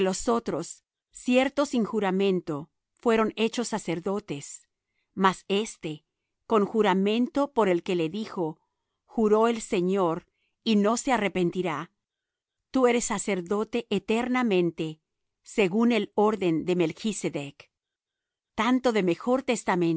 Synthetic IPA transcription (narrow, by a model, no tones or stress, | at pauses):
lo̞so̞t̪ɾo̞sː | je̞ɾt̪o̞siŋxuɾamẽ̞nt̪o̞ | fwe̞ɾo̞ne̞t͡ʃo̞sːase̞ɾðo̞t̪e̞s | mase̞st̪e̞ | ko̞ŋxuɾamẽ̞nt̪o̞po̞ɾe̞lke̞le̞ðixo̞ | xuɾo̞else̞ɲo̞ɾ | ino̞se̞arepe̞nt̪iɾa | t̪ue̞ɾesːase̞ɾðo̞t̪e̞ʔet̪eɾnamẽ̞nt̪e̞ | se̞ɣune̞lo̞ɾðe̞nd̪e̞melxiseðek | t̪ant̪o̞ðe̞me̞xo̞ɾt̪e̞st̪amẽn